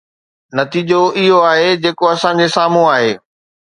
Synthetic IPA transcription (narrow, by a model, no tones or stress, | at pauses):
nɐt̪iːd͡ʑoʔɪɦoaːɦed͡ʑeːkoɐsã̆d͡ʑesaːm̤ũaːɦeː